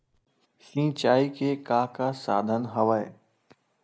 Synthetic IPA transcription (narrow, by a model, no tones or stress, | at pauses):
sĩːt͡ʃaːikekaːkasa̰ːd̪ʱənɦəʋae